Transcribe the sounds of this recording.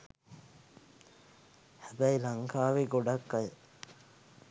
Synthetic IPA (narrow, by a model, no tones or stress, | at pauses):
hæbæjilaŋkaːʋeɡoɖakːajə